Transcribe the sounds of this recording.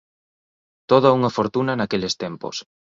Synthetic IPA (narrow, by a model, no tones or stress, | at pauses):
t̪oð̞ɐuŋɐfoɾt̪unɐnakelɪst̪empo̰s